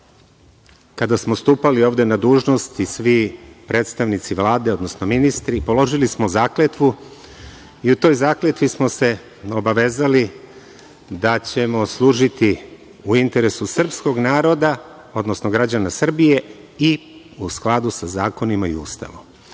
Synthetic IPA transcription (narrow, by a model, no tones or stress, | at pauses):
kad̪asmo̞st̪uːpalio̞ːvd̪e̞nad̪uːʒno̞st̪isʋipɾe̞ːt̪st̪aʋnit̪siʋlˠaːd̪e̞o̞d̪no̞sno̞minist̪ɾipo̞lo̞ʒilismozaːklet̪ʋu | iut̪o̞jzaːklet̪ʋismo̞se̞ | o̞baʋe̞ːzali | d̪at͡ɕe̞mo̞slˠuːʒit̪i | uint̪e̞ɾe̞susr̩psko̞ɡnaːɾo̞d̪a | o̞d̪no̞snoɡɾad͡ʑanasr̩bije̞i | usklˠad̪usazaːko̞nimaḭṵːst̪a̰ʋo̰m